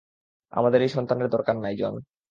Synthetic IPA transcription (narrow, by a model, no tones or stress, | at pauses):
a̰mad̪eɾejʃɔnt̪aneɾd̪ɔɾkanːajd͡ʑɔ̰n